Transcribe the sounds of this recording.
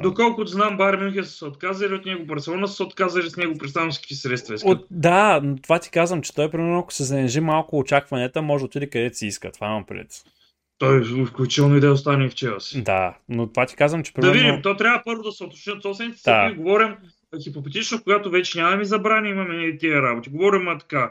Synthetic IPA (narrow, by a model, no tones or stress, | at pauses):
d̪okɔlˠkʊt̪znambaɾminut̪ʲisə̥sɛot̪kazɐɾiot̪nɛɡobɐɾt̪sɛlˠɔnɐssɛot̪kazɐɾisnɛɡopɾɛsanɐ̃nskʲi̥t̪isɾɛt̪st̪vɐisd̪anot̪ovat̪i̥kazvɐmt͡ʃɛ̥t̪ɔjpɾʲimɛɾnoɐko̥sɛzɐnɛʒimalˠkʊːt͡ʃakvɐnɛt̪əmɔʒot̪id̪ikɐd̪ɛsiiskə̰t̪vanɐpɾɛ̰t̪ | t̪ɔjfklʲʊut͡ʃi̥t̪ɛlˠnoid̪ɛjɛost̪anift͡ʃɛəsi̥d̪a̰not̪ovat̪i̥kazvɐmt͡ʃɛ̥pɾid̪ɐɛvid̪imt̪ɔt̪ɾʲavəpɤɾvʊd̪ɐsɛot̪o̥t͡ʃniot̪sɔpsvɛnit̪ɛ̥sd̪aiiɡovɔɾʲim | xipopɛt̪it͡ʃnokoɡat̪ovɛt͡ʃɛnʲammizɐbɾanʲiimɐmɛɛt̪iəɾabot̪ʲiɡovɔɾimɐt̪ɐ̥ka